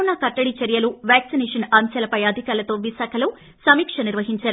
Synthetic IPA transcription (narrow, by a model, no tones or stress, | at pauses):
nakɐʈːɐɽit͡ʃɐɾjɐluʋjaːksinɛːʂɐnɐmsɐlɐpɐjɐd̪ʱikaːɾlɐt̪oːʋiʃaːkʰɐloː | sɐmiːkʂɐniɾʋɐɦiɲt͡ʃaːɾu